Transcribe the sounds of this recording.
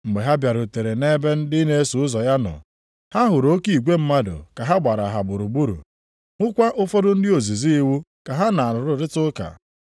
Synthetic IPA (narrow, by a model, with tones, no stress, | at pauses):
ŋ͡m̩˨ɡ͡be˨ɦa˦bja˨ɾʊ˨te˨ɾe˨ne˦be˦n̩˦dɪ˦ne˦e˦su˨ʊ˦zɔ˨ja˦nɔ̰˨ | ha˦ɦʊ˨ɾo˦ki˨i˨ɡʷe˦m̩˦ma˦dʊ̰˨ka˨ɦa˦ɡ͡ba˨ɾa˨ɦa˨bʊ˨ɾʊ˨ɡ͡bu˦ɾṵ˨ | ʊ˦kʷa˦ʔʊ˦fo˦dʊ˦n̩˦dɪ˦o˨zi˨zi˦i˦wu˦ka˨ɦa˦na˨a˨ɾʊ˨ɾʊ˨˦ɾɪ˦tʊ˦ka̰˨